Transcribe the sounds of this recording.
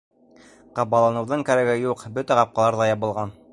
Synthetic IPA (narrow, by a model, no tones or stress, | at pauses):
qɑβɑlˠɑnɤ̆wðɤŋkæ̆ɾæɡɘjuqbɵt̪æqɑp̚qɑlˠɑɾðɑjɑβɤ̆lˠʁɑn